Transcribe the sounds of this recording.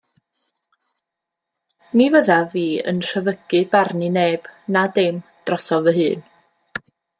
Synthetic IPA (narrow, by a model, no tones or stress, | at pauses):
nivəðaviːə̰nr̥əvəɡ̥ɨbarnineːb̥nadɪmd̥rɔsɔvəɦɨːn